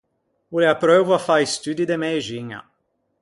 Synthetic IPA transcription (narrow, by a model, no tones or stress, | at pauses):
uleapɾovafaist̪yd̪id̪emeʒiɲɐ̰